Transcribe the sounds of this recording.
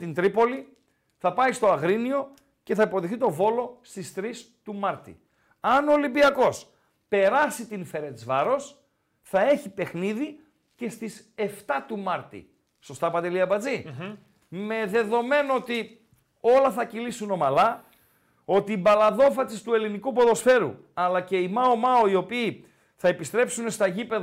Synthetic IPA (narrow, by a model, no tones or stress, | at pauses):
t̪int̪ɾipo̞li | θɐpɐist̪o̞ɐɣɾinio̞ | ce̞θɐipo̞ðexθit̪o̞vo̞lo̞st̪ist̪ɾist̪umɐɾt̪ḭ | ɐno̞libiɐko̞s | pe̞ɾɐsit̪infe̞ɾe̞t͡svɐɾo̞s | θɐe̞çipe̞xniði | ce̞st̪ise̞ft̪ɐt̪umɐɾt̪ḭ | so̞st̪ɐpɐnd̪eliɐpɐd͡zi | me̞ðe̞ðo̞me̞noot̪i | o̞lɐθɐcilisuno̞mɐlɐ | o̞t̪iːbɐlɐðo̞fɐsist̪ue̞linikupo̞ðo̞sfe̞ɾṵ | ɐlɐce̞imɐomɐoio̞piː | θɐepist̪ɾe̞psune̞st̪ɐʝipeð